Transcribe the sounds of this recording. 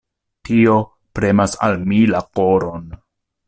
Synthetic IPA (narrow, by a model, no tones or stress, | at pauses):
tio̞ | pɾe̞masa̰lmilako̞ɾon